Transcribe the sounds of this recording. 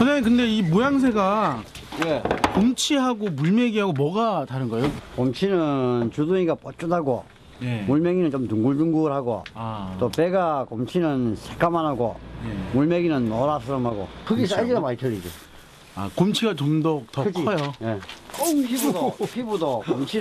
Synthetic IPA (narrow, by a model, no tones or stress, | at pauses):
nekɯnde̞imojaŋs̬ʰe̞ɡa | je̞komt͡ɕʰiɦaɡomuɭmeɡiɦaɡomwʌɡat̪aɾɯnɡʌjokomt͡ɕʰinɯnt͡ɕudoɲiɡap͈ʌt͡ɕ͈udaɡo̰ | muɭmeɡinɯnt͡ɕomtuŋɡuɭduŋɡuɯɭɦaɡo̰t͈opeɡakomt͡ɕʰinɯnsʰak͈amanɦaɡo̰muɭmeɡinɯnːʌɾasʰɯɾʌmɦaɡo̰kʰɯɡis͈aid͡ʑidamaitʰɯɾid͡ʑo | a̰komt͡ɕʰiɡat͡ɕomdʌtʌkɯd͡ʑiajoje̞çibodokʰibodʌkomt͡ɕʰi